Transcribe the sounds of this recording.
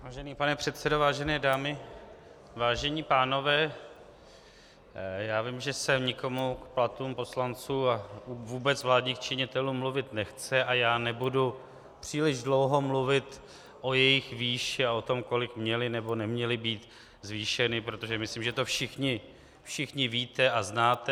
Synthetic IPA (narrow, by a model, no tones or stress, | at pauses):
aːʒɛniːpanɛpr̝̥ɛt̪t͡sɛdovaːʒɛnɛːdaːmɪ | vaːʒɛɲiːpaːno̞vɛː | jaːvɪmʒɛsɛmɲɪko̞mukplat̪uːmpo̞slant͡suːauvuːbɛt͡svlaːdɲiːxt͡ʃɪɲɪt̪ɛluːmːluvɪt̪nɛxt͡sɛʔajaːnɛbudu | pr̥iːlɪʒdlo̞wɦo̞mluvɪt̪ | ʔo̞jɛjɪxviːʃɪao̞t̪o̞mko̞lɪkmɲɛlɪnɛbo̞nɛmɲɛlɪbiːt̪ | zviːʃɛnɪpɾot̪o̞ʒɛmɪslimʒɛt̪o̞fʃɪxɲɪ | fʃɪxɲɪviːt̪ɛaznaːt̪ɛ